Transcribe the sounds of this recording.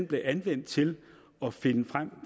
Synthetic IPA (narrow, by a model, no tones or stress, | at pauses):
nb̥le̝ʔænʋen̰d̥t͡sʰe̝l | ɒ̽fe̝nəfʁam̰